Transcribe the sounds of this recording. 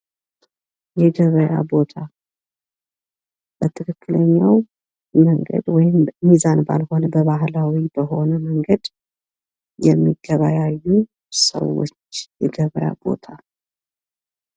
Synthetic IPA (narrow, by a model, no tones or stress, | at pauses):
jɛɡəβəja̰bo̞t̪ʰa | b̥ət̪ʰɨkʰɨkːɨləɲːaw | məŋɡə̰d̪wɔjɪmmizanba̰lho̞nəbəβaɦlawibəɦo̞nəməŋɡəd̪ | jɛmːiɡəβajajːu | sə̰wo̰t͡ʃːjɛɡəβəja̰bo̞̰t̪ʰa